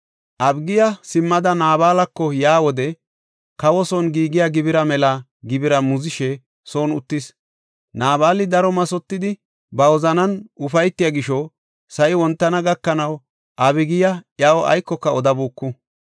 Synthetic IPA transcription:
ʔɐbɡɪjɐsɪmːɐd̪ɐnaːbaːlɐkːɔjaːwɔd̪ɛ | kɐwɔsɔnɡiːɡɪjaɡɪbɪɾɐmɛlɐ | ɡɪbɪɾɐmʊzɪʃɛ | soːnʊt̪ːɪs | naːbaːlɪd̪ɐɾɔmɐsɔt̪ːɪd̪ɪ | bɐwɔzɐnɐnʊfɐjt̪ːɪjaɡɪʃɔ | sɐʔɪwɔnt̪ːɐnɐɡɐkːɐnɐw | ʔɐbɪɡɪjɐjɐwɔʔɐ̰jkːɔkːɐɔd̪ɐbuːkːʊ

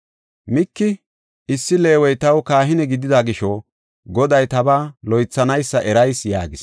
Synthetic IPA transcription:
mɪkːɪ | ɪsːɪle̞ːwɔjt̪ɐwkaːɦɪnɛɡɪd̪ɪd̪aɡɪʃɔ | ɡɔd̪ɐjt̪ɐbalɔjt͡sːɐnɐjsːɐʔɛɾɐjsja̰ːɡɪs

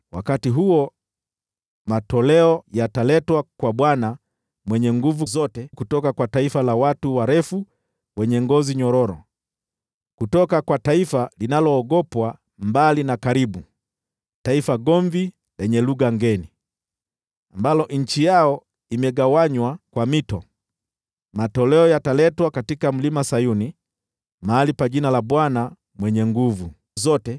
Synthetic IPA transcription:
wa̰katiɦuɔ | matɔlɛɔjatalɛtwakwaɓwana | mwɛɲɛŋɡuvuzɔtɛkutɔkakwataifalawatuwaɾɛfu | wɛɲɛŋɡɔziɲɔɾɔɾɔ̰ | kutɔkakwataifalinalɔːɡɔpwa | mbalinakaɾiɓu | taifaɡɔɱvi | lɛɲɛluɡaŋɡɛni | ambalɔʔɲ̩t͡ʃijaɔ | imɛɡawaɲwakwamitɔ | matɔlɛɔjatalɛtwakatikam̩limasajuni | maːlipaʄinalabwana | mwɛɲɛŋɡuvu | zɔtɛ

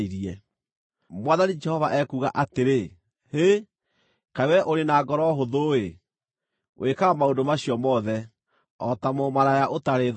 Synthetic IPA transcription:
iɾiɛ | mwaðanid͡ʒɛhɔvaʔɛkuɣa̰ʔateɾe | he | kawɛʔoɾenaːɡɔɾɔɦoðoe | wʔekaɣamaondomaɕijɔmɔðɛ | ɔtamomaɾajaʔotaɾe

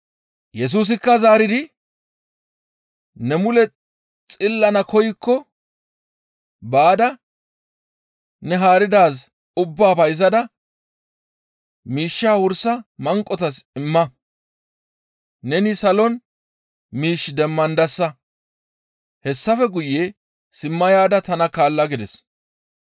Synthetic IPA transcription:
jɛs̬uːs̬ɪkːɐzaːɾɪd̪ɪ | nɛmʊlɛ | t͡sʼɪlːɐnɐkʰɔjɪkːɔ | baːd̪ɐ | nɛɦaːɾɪd̪aːs | ʊbːaːbɐjz̬ɐd̪ɐ | miːʃːaːwʊɾsɐmɐŋkʼːɔt̪ɐsɪmːɐ | nɛnɪsɐlɔn | miːʃːd̪ɛmːɐnd̪ɐsːɐ | hɛsːɐfɛɡʊje | sɪmːɐjaːd̪ɐt̪ɐnɐkaːlːɐɡɪd̪ɛs

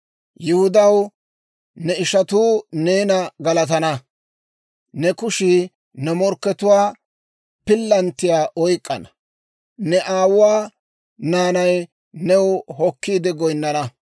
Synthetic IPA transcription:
jɪhʊd̪ɐw | nɛɪʃɐt̪uːneːnɐɡɐlɐt̪̬ɐnɐ | nɛkʊʃɪ | nɛmɔɾkːɛt̪ʊwaː | pɪlːɐnt̪ːɪjaːʔɔjkʼːɐ̰nɐ̥ | nɛʔaːwʊwaː | naːnɐj | nɛwɦɔkːiːd̪ɛɡɔjnːɐnɐ

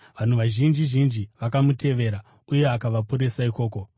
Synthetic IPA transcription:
ʋan̤uʋaʒind͡ʒiʒind͡ʒiʋakamute̞ʋe̞ːɾa | uje̞akaʋapuɾe̞saiko̞ːko̞

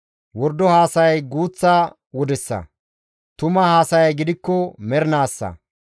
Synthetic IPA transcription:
wɔɾd̪ːɔhaːsɐjɡuːt͡sːa | wɔd̪ɛsːɐ̰ | t̪ʊmɐhaːsɐjɐjɡɪd̪ɪkːɔmɛɾnaːsːɐ̰

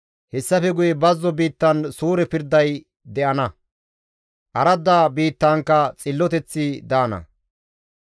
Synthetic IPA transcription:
hɛsːɐfɛɡʊjɛbɐzːɔbiːt̪ːɐnsuːɾɛpɪɾd̪ːɐj | d̪ɛʔɐnɐ | ʔɐɾɐd̪aːbiːt̪ːaːŋkːɐt͡sʼɪlːɔt̪ɛt͡sːɪd̪aːnɐ̰

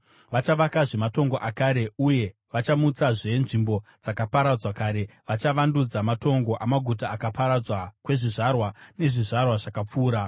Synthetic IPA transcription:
ʋat͡ʃaʋakaʐe̞mato̞ŋɡoʔakaɾe̞uje̞ | ʋat͡ʃamut͡saʐe̞nʐimbo̞d͡zakapaɾad͡zwakaːɾe̞ʋat͡ʃaʋandud͡zamato̞ŋɡo̞ʔamaɡʱut̬aːkapaɾad͡zwakwe̞ʐiʐarwane̞ʐiʐarwaʐakap͡fuːɾa

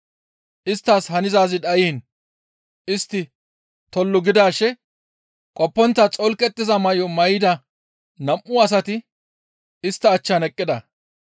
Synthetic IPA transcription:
ʔɪst̪ːaːshɐnɪzaːzɪd̪ɐjiːn | ɪst̪ːɪ | t̪ɔlːʊɡɪd̪aːʃɛ | kʼɔpːɔnt̪ːɐt͡sʼɔlkʼɛt̪ːɪzɐmɐjɔmɐjɪd̪ɐ | nɐmʔːʊɐs̬ɐt̪ɪ | ɪst̪ːɐːt͡ʃːanɛkʼːɪd̪ɐ

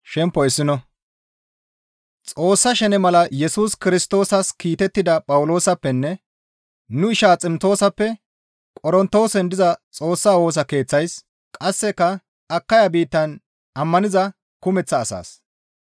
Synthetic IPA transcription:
ʃɛmpːɔɪsːɪnɔ | t͡sʼo̞ːsːɐʃɛnɛmɐlɐjɛsuːskɪɾɪst̪o̞ːsɐskiːt̪ɛt̪ːɪd̪ɐpʼɐwʊlo̞ːsɐpːɛnːɛ | nʊɪʃaːt͡sʼɪmt̪o̞ːsɐpːɛ | kʼɔɾɔnt̪o̞ːsɛnd̪ɪzɐt͡sʼo̞ːsːaːwo̞ːs̬ɐke̞ːt͡sːɐjs | kʼɐsːɛkːɐ | ɐkːɐjabiːt̪ːɐn | ɐmːɐnɪzɐ | kʊmɛt͡sːɐːsa̰ːs

